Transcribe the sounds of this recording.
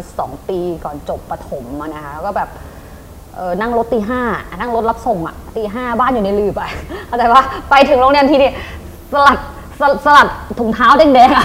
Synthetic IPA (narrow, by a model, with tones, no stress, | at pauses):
sɔ̰ː˩˦ŋt̪iː˧kɔː˨˩nt͡ɕo˨˩pːa˧t̪ʰo˩˦mːa˧˩na˦˥kʰa˦˥lːwkɔː˥˩bɛː˨˩p̚ | ʔɤː˨˩na˥˩ŋɾo˦˥t̪ːiː˧˩ɦaː˥˩a˩˧na˥˩ŋo˦˥t̪̚la˦˥p̚so˨˩ŋʔa̰˨˩ʔt̪iː˧ɦaː˥˩baː˥˩njuː˨˩na˧jlɯː˨˩pa˧˩ja˥˩t̪ɛː˨˩waː˥˩pa˧jt̪ʰɯ˩˦lo˦˥ŋli˦˧˥nt̪ʰiː˧ni˧˥˩ | sa˧la˨˩t̪̚ | sa˧sa˧la˨˩t̪̚ʰːu˨˩˦ŋt̪ʰaː˦˥wde˥˩ŋdɛː˦˥ŋ˩